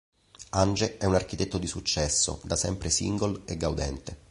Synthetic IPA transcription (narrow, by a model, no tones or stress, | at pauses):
and͡ʒeɛunark̟it̪et̪ːod̪isut͡ʃːɛsːo̰d̪asɛmpɾesḭŋɡoleɡːawd̪ɛnt̪e